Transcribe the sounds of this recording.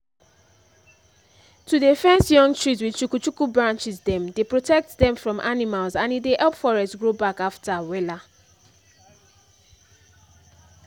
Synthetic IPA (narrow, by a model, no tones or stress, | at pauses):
tudefɛ̃nsjɔ̃ŋɡtɹizwit͡ʃukut͡ʃukubɹãnt͡ʃizdɛ̃mdepɹotɛk̚tdɛ̃mfɹɔ̃mʔanimalzãnideʔɛlpfɔɹɛstsɡɹobakaftawɛla